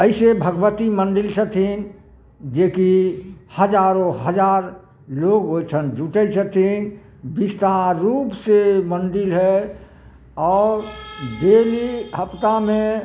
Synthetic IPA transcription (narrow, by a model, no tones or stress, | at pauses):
əɪsebʱəɡʋət̪iməɳɖɪlsət̪ʰin | d͡ʒeːkihəd͡ʒaːɾõɦəd͡ʒaːɾ | loːɡɦot͡ʃʰənd͡ʒʱuʈət͡ʃət̪ʰin | bist̪aɾuːpseməɳɖɪlɦɛ | ɔːɾd̪eːliɦəpt̪amẽ